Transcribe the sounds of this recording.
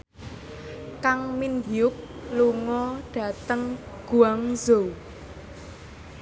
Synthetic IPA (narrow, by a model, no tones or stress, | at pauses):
kaŋmind̪iʊk̚ | luŋɔɖ̥ä̤t̪əŋ | ɡ̥uaŋzo